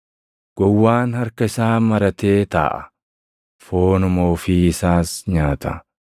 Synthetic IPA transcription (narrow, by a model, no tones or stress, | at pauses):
ɡ̥ɔwːaːnhɐɾkɐɪsaːmɐɾɐt̪e̞ːt̪a̰ːʔɐ | fo̞ːnʊmo̞ːfiːɪsaːsɲaːt̪ʰɐ